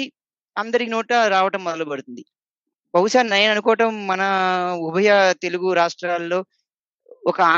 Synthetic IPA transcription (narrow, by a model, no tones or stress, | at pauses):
i | ɐnd̪ɐɾikinoːʈɐɾaːʋɐʈɐmːɔd̪ɐlɐpɐɽut̪und̪i | bɐwuʂaːnɐjɐnɐnukɔːʋɐʈɐmːɐnɐubʱɐjɐt̪e̞luɡuɾaːʂʈɾaːlːo̞ː | ɔkɐaː